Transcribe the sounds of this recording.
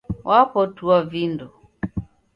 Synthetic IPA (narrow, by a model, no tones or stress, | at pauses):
wʔapɔtuavindɔ